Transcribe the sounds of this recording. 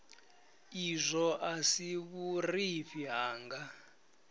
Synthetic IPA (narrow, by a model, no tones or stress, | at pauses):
izʷɔʔasiβuriɸiɦaːŋɡa